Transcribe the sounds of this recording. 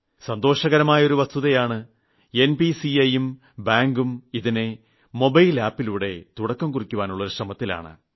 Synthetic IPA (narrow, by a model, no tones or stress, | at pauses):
sɐnd̪o̞ːʂɐɣɐɾɐmaːjɐo̞ɾuʋɐst̪uðɐjaːɳɨ | e̞nbisiɐjum | baːŋɡumiðine | mo̞bɐjlaːpːiluːɽe̞̰t̪uɽɐkːɐmkurikʲːuʋaːnuɭːɐoɾuʂrɐmɐt̪ːila̰ːɳɨ̰